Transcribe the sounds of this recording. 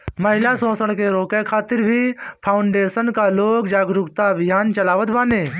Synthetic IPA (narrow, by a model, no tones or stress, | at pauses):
mɐɦɪlasõːsəɽ̃keɾoːkekʰaːt̪ɪɾbʱipʰaːʊɳɖeːsənkaloːkd͡ʒaːɡɾʊkt̪aɐbʱijaːnt͡ʃɐlaːʋət̪baːneː